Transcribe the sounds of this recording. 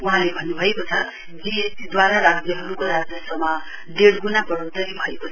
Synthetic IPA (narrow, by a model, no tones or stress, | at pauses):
uɦãlebʱʌnːubʱʌekot͡sʰʌ | biesid̪waɾaɾad͡zjʌɦʌɾukoɾad͡zjʌsʌmʌ | ɖeɽɡunabʌɾod̪ʌɾibʱʌekot͡sʰʌ